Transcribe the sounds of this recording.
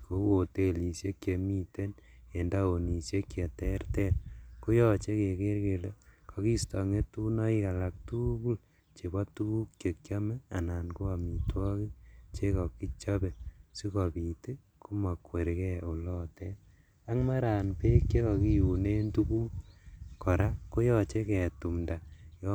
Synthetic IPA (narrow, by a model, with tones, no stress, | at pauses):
ko˨o˨te˦li˨sje˦kje˨mi˦te˦ne˨nda˦o˨ni˨sje˦kːje˨tɛ˦rtɛ˦nku˦jɔ˦t͡ʃe˦ke˨ke˦ɾke˨le˦kʰɔ˨ki˦stɔ˨ŋe˦tu˦nɔ˦i˦ka˨la˨k̚tu˦ku˦l | t͡ʃe˨bɔ˦tu˦ku˦kt͡ʃe˨kt͡ʃja˦mɛ˦a̰˨na˨nku˦a˨mi˨twɔ˦ki˦t͡ʃe˦kɔ˨ki˦t͡ʃɔ˦be˨si˦kɔ˨pi˨te˦ | ku˦ma˨kwe˨ɾkɛ˦o˨lɔ˦tɛ˦ | a˦ŋma˦ɾa˨npe˦kt͡ʃe˦kɔ˨ki˦ju˨ne˦ntu˦ku˦kɔ˨ɾa˦ko˦jɔ˦t͡ʃe˦ke˨tu˨mda˨jɔ